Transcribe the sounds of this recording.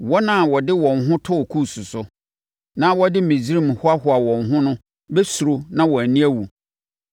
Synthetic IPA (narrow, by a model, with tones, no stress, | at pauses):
wɔ˦nã˦˨wɔ˨dɪ˦wɔ̃˨nɦʊ̃˦tʰʊ˦˨kʰu˦˨su˨sʊ˨ | nã˦wɔ˦dɪ˦mĩ˨d͡zi˦ɾi˦m˨hʊ˦a˦ɦʊ˨a˨wɔ̃˨nɦʊ̃˦nʊ̃˦ | bɛ˦su˨ɾo˨nã˦wɔ˨æ˨nĩ˦æ˦wu˨